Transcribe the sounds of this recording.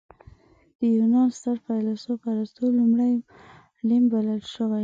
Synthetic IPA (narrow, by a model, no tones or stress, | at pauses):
d̪̥əjunɑnst̪aɾfɑjlasopaɾast̪olumɽaj | limbaləlʃəwaj